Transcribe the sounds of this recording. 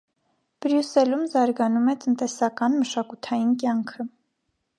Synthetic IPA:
b̥ɾjusɛlumzɑɾɡɑnumɛt̪ənt̪ɛsɑkɑnməʃɑkut̪ʰɑjinkjɑŋkʰə

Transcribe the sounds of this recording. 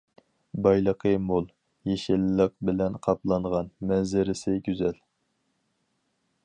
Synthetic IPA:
bɑjlˠəqʰəmolˠ | jeʃɪlːəq̚bɪlɛnqʰɑplˠɑɴʁɑnmɛnzɪɾɪsɪɡʲyzɛl

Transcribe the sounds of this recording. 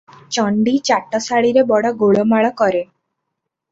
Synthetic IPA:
t͡ʃɔɳɖit͡ʃaʈɔsaɭiɾebɔɽɔɡoɭɔmaɭɔkɔɾe

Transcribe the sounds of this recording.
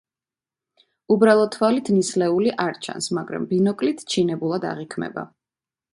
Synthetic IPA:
ubɾalˠɔd̪ʰvalit̪ʰnislɛuliʔaɾt͡ʃʰa̰nsmaɡɾa̰mbinɔkʼlit̪ʰt͡ʃʰinɛbulˠad̪a̰ʁikʰmɛ̰ba̰

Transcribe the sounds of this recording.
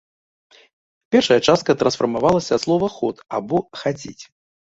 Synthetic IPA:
pʲɛrʂɐjɐt͡ʂast̪̚kɐt̪ɾɐnsfɐrmavalˠɐsʲɐslˠɔvɐxɔt̪abɔxat͡sʲḭt͡sʲ

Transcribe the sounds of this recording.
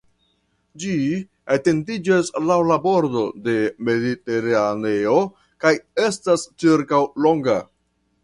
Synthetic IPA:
d͡ʒi | ate̞ndid͡ʒaslawlabo̞ɾdo̞de̞me̞dite̞ɾane̞o̞ | kaje̞stast͡ʃiɾkawlo̞ŋɡa

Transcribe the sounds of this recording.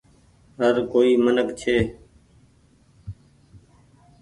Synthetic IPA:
ɦəɾkoːiːmənəkt͡ʃʰeː

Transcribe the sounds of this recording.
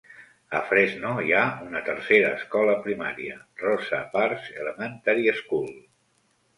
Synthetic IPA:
ə̰fɾeznoiaunət̪ərseɾəːskɔləpɾima̰ɾiərɔsəpaɾzeləmənt̪aɾieskul

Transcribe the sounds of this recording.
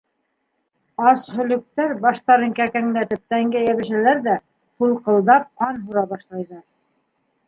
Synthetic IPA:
ɑshɵ̆lɵ̆k̚t̪æɾbɑʃt̪ɑɾɤŋkækæŋlæt̪ɘp̚t̪æŋɡæjæβɘ̆ʃælæɾðæ | hulˠqɤ̆lˠd̪ɑp̚ɑnɦuɾɑβɑʃlˠɑjðɑɾ

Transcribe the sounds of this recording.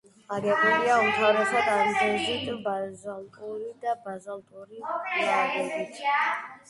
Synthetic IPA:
aɡɛqʼnɛbiaumt̪ʰavɾɛsad̪amzɛzit̪bazalˠt̪ʼuɾid̪abazalt̪ʼuɾiaɡɛbit̪ʰ

